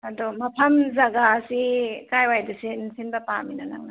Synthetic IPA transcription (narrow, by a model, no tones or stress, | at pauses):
ɐdɔmɐpʰɐmzɐɡaːsikajwajdɯsinsinbɐpaminana̰ŋna